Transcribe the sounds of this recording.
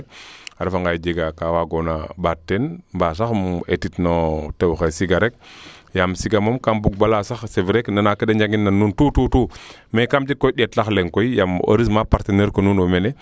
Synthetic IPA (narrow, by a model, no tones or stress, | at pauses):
aɾifaŋɡajd͡ʒeɡakawaɡonabatːenmbas̬axmetitnotewxesiɡaɾek̚jamsiɡamomkambuk̚balasaxseviɾeknanakedeɲd͡ʒaɡinːanːuntutuːtuː | mekamd͡ʒikːojɗetlaxleŋkoijamo̰ɾis̬mapaɾteneɾkonunomene